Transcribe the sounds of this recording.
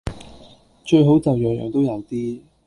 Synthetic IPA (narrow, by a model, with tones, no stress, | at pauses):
t͡ʃɵ˧ɥɦo˨˥wt͡sɐ˨wjœː˨ŋjœ̰ː˨˩ŋt̪o˥wjɐ˨˧wt̪iː˥